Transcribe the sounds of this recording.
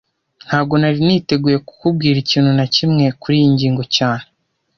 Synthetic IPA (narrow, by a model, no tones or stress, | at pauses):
n̥haːbɡo̞naɾiniːte̞ɡuːje̞ku̥kub̚ɡiːɾiciːnhunacimŋe̞kuɾijiɲɟiːŋɡo̞caːn̥e